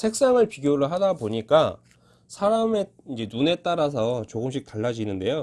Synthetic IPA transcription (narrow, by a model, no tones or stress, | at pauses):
sʰe̞k̚s͈aŋɯɭpiɡjoɾɯɭɦadaboɲik͈a | sʰaɾame̞ | ind͡ʑe̞nune̞t͈aɾas̬ʰʌt͡ɕoɡɯmɕ̬͈ʰik̚taɭːad͡ʑinɯnde̞jo